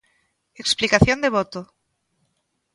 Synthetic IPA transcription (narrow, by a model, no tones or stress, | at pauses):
eksplikaθjond̪eβ̞ot̪o